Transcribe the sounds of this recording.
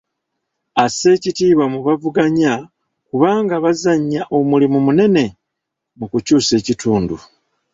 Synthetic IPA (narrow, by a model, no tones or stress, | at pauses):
ase̞ːcitiːβwamuβavuɡaɲa | kuβaːŋɡaβazaɲːaʔo̞mulimumune̞ne̞ | mukucuːse̞ːcituːndu